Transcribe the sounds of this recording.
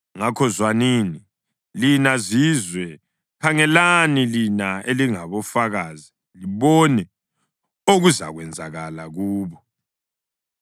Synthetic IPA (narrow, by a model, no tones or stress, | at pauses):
ŋakʰɔzwanini | linazizwɛ | kʰaŋɛlanilinaeliŋaβɔfaɣazi | liβɔnɛ | oɣuza̰ɣwɛnd͡zʱa̰ɣalaɣuːβɔ